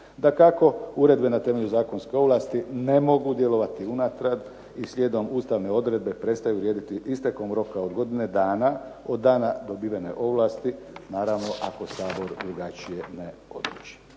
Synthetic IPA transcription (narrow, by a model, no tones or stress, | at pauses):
d̪akako̞uɾe̞d̪be̞nat̪e̞me̞ʎuzaːko̞nske̞o̞ʋlˠaːst̪ine̞mo̞ɡud̪je̞lo̞ʋat̪iunat̪ɾad̪ | isʎʲeːd̪o̞muːst̪aʋne̞o̞d̪ɾe̞d̪̚be̞pɾe̞t̪st̪ajuɾjeːd̪it̪iʔist̪eko̞mɾo̞kao̞d̪ɡo̞d̪ine̞d̪aːna | o̞d̪ːaːnad̪o̞biːʋene̞̰ʔo̞ʋlaːst̪i | naːɾaʋno̞ʔako̞saːbo̞ɾd̪ɾuɡat͡ʃije̞neo̞̰d̪ɾut͡ʃi̥